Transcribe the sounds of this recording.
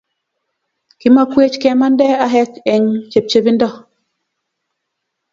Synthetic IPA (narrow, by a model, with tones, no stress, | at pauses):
ki˦ma˦kwe˦t͡ʃkɛ˨ma˦ndɛ˦a˨ɦɛ˦kɛ˨ŋt͡ʃe˨p̚t͡ʃe˨bi˦ndɔ˦